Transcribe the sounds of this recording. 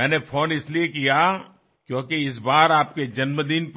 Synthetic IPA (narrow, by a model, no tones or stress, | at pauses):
ɛːnepʰoːnɪsliekija | kjõːkeɪs̬baːɾaːp̚ked͡ʒɐnməd̪inp